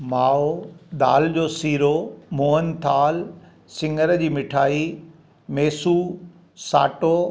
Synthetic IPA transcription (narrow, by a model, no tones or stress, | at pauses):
maːod̪aːld͡ʑoːsiːɾomoːɦənt̪ʰaːl | sɪ̃ŋɡəɾd͡ʑiːmɪʈʰaːi | meːsu | saːʈoː